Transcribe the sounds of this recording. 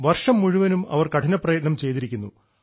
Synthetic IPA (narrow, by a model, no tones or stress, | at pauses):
ʋɐrʂɐmːuɻuʋɐnumɐ̰ʋɐrkɐʈʰɐnɐpːrɐjɐt̪nɐmt͡ɕe̞jt̪iɾikʲːunːṵ